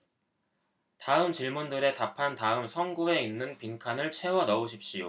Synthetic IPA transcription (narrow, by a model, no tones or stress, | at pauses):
taɯmt͡ɕiɭmundɯɾe̞tapʰantaɯmsʰʌŋɡue̞inːɯnpiŋkʰanɯɭt͡ɕʰe̞wʌnʌuɕʰip̚ɕ͈ijo